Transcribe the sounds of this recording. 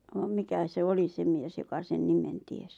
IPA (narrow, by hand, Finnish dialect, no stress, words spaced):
ʋɑm mikæ se oli se mies jokɑ sen nimen ties